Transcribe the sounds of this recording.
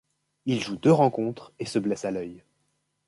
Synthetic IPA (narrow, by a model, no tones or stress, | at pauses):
ilʒud̪øʁɑ̃kɔ̃t̪χesəblɛsalœj